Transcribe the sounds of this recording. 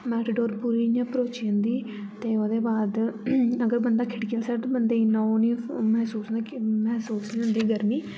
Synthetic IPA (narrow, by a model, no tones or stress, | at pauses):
mɛːʈːɖoːɾpuːɾijãːpɾoːt͡ʃjãːnd̪iː | t̪eːoːd̪eːbaːd̪əɡəɾbənd̪aːkʰɪʈkəlsɛɾt̪oːbənd̪eːnãoːnĩːmɛːsuːsnmɛɦsuːsnːə̃nd̪iːɡəɾmiː